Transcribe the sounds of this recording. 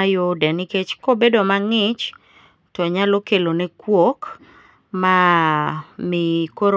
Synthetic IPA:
ajodɛnɪket͡ʃkobedomaŋɪt͡ʃ | tɔɲalokelonekwok | ma | mɪkoɾ

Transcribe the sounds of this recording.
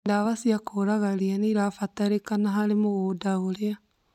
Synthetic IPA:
ndaβasiakoɾaɣaɾianiɾafataɾekanaɦaɾemoɣoːdaoɾea

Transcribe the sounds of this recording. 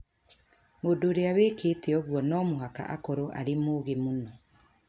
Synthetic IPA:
moːdoːɾeawekeːtɛɔɣwɔnɔmoɦaka̰ʔakɔɾoʔa̰ɾemoːɣemonɔ

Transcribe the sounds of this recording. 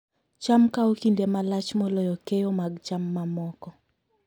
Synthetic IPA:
t͡ʃamkaokindemalat͡ʃmɔlɔjɔkejomaɡt͡ʃamːamɔkɔ

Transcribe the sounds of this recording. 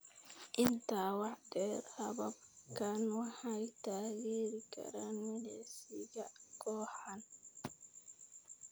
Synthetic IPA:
ʔɪnt̪ʰaːwɑħɖɛːɾhɐβɐb̚kʰanwɑħɑjt̪ʰaːɣiːɾɪkʰɐ̰ɾaːnmɪlɛsɪɣɐkʰɔːħan

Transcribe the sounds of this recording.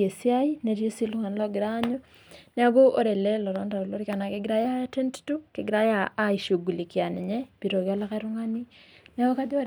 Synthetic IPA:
esjajineɾjesiluhanloɡiɾaɲo | naβoʔoɾeleloɾondaɾoloɾikanakeɡiɾajatenttukeɡiɾajaːiʃuɡulikjaneɲeβiɾoɣjalakaɾuŋaninaɣokadio

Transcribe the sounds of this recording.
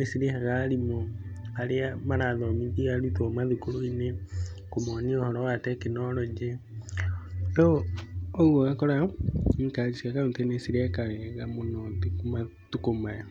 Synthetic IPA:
nesiɾehaɣaɾimoaɾeamaɾaðɔmidiɣaɾutwɔmaðukoɾoinekomɔniɔhɔɾɔwatɛkenɔɾɔd͡ʒɛ | o | oɣwɔɣakɔɾaikaɾisiakaotɛnesiɾɛkaɣɛɣamonɔðkma | tukomaɛ

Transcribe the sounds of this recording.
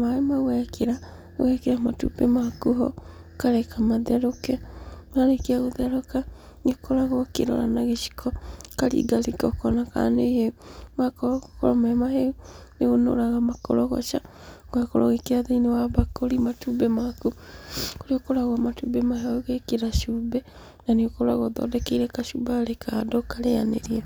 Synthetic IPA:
maemaɣwɛkʰeɾa | ɣwɛkeɾamatṵbɛmakuɦɔ̰ | kaɾɛkamaðɛɾokɛaɾekeaɣoðɛɾoka | ŋekoɾaɣɔkḛɾɔ̰ɾa̰naɣeʃi̥kʰɔkaɾḭːɡaɾekɔkɔnaka̰neeumakɔɔkɔɾɔmɛmaɦeuneɣono̰ɾaɣamakɔ̰ɾɔɣɔ̰t͡ʃa | ɡwakoɾɔɣekeaðeinewaβakoɾimatubɛmakukoɾiokoɾaɣwamatuːbɛmahaoɣekeɾaʃuːbɛ | naneokoɾaɣɔðɔ̰dɛkeiɾɛkaʃubaɾekʰadɔkaɾeja̰nḛɾiɛ

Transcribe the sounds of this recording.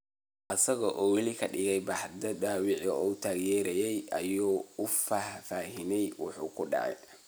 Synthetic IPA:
ʔɐsɐɣɔʔɔːwɑlikʰɐɗɪɣɛjbɐħd̪ɐd̪aːwɪʕɔːt̪ʰaːɣjɛːɾɛjɛjɐjɔːʊfaːhfaːɦɪnɛjwʊ̰ħṵːkʰʊɖɑ̰ʕɛ̰j

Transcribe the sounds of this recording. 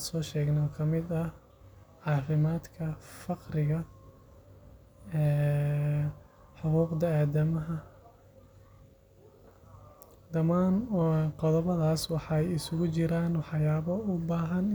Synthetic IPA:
sɔːʃɛːɡnɔːkʰɐmɪd̪ɐ | ʕɑːfɪmaːd̪kʰɐfɑqrɪɣɐ | ɛː | ħʊquːqd̪ɐaːd̪ɐmɐɦɐ | d̪ɐmaːnqɔðɐβɐðaːswɑħɑjɪsʊɣʊt͡ʃɪɾaːnwɑħɑjaːβɐʊbaːɦɐn

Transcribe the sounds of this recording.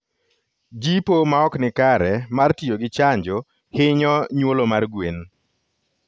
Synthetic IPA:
d͡ʒipomaɔknɪkaɾɛmartioɡɪt͡ʃaɲd͡ʒo | hɪɲɔɲwolomarɡwen

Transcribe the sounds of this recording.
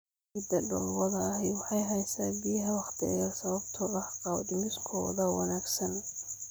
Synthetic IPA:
ɪd̪ɐɖɔlwɐðɐːɦɛwɑħɑjɦɛjsaːbɪjɐɦɐwɑχt̪ʰɪ̰jaːlsɐβɐbt̪ʰɔɐhqɑwd̪ɪmɪskʰɔ̰ːðɐwɑ̰naːɡsɐn

